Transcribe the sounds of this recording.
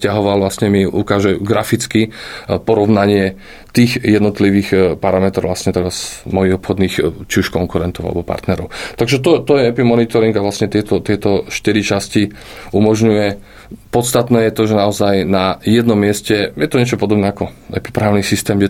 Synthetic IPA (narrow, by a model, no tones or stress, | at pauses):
scaɦɔʋalʋlasɲɛmiʔukaːʒɛɡɾafit͡skipɔɾɔʋnaɲɪɛ | t̪iːxjɛd̪nɔt̪liʋiːxpaɾamɛt̪ɾɔʊlasɲɛt̪ɛɾazmɔjiɣɔpxɔd̪niːxt͡ʃiuʃkɔŋkuɾɛnt̪ɔʊa̰lɛ̰bɔpa̰ɾt̪nɛɾɔʊt̪aɡʒɛt̪̬ɔt̪ɔjɛɛpimɔnit̪ɔɾiŋɡaʋlasɲɛt̪ɪɛt̪ɔt̪ɪɛt̪ɔʃt̪iɾit͡ʃasci | umɔʒɲujɛ | pɔt̪st̪at̪nɛːjɛt̪ɔʒɛnaɔzajnajɛd̪nɔmːɪɛscɛjɛt̪ɔɲɛt͡ʃɔpɔd̪ɔbnɛakɔ | ɛ̰pi̥pɾaːʊnisist̪ɛːmɛ